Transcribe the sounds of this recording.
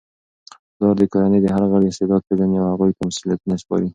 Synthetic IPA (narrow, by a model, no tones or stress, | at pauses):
d̪̥ɑɾd̪əkɑjɑnejd̪əɦaɾɣaɽɪst̪ɪd̪ɑd̪̚ked̪anawhaɣujp̪amʊsiljat̪unaspɑ̰ɾi